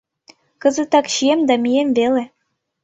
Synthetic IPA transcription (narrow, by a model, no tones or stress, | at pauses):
kɤ̆zɘ̆t̪ɑkɕiemd̪ɑmʲijembele